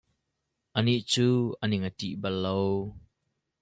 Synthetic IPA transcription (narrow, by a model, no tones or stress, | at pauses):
ʔəniʔt͡suːʔənɪŋətḭʔbɐlːow